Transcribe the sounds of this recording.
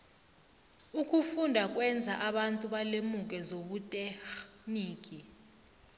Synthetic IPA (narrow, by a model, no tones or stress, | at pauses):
ukʰʼufundʱak̬ʼwɛnd͡zʱaʔaɓantʼuɓalemukʼɛzoɓutʼexniːkʼi